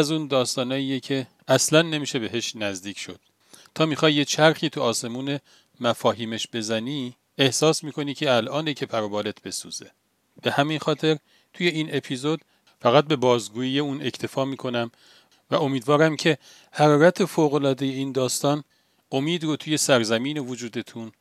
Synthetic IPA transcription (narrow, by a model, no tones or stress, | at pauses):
æzuːnd̪ɒːst̪ɒːnɒːiːjecʰe | æslænːe̞miːʃe̞be̞ɦe̞ʃnæzd̪iːcʰʃo̞̰d̪̥̚ | t̪ʰɒːmiːxɒːjjet͡ʃʰæɾxiːt̪ʰuɒːse̞muːne̞ | mæfɒːɦiːmeʃb̥e̞zæniː | ehsɒːsmiːkʰo̞niːcʰe̞ælʔɒːnecʰe̞pʰæɾobɒːle̞t̪ʰb̥e̞sṵz̥e̞̰ | b̥e̞hæmiːnxɒːt̪ʰe̞ɾ | t̪ʰuje̞iːne̞pʰiːzo̞d̪̥ | fæɣæt̪̚be̞bɒːzɡuːjijeuːne̞cʰt̪ʰe̞fɒːmiːkʰo̞næm | væ̰ʔo̞miːd̪vɒːɾæmcʰe̞ | hæɾɒːɾæt̪ʰe̞foːɣo̞lɒːd̪eje̞iːnd̪ɒːst̪ɒːn | o̞miːd̪rot̪ʰuje̞sæɾzæmiːne̞vod͡ʒuːd̪e̞t̪ʰun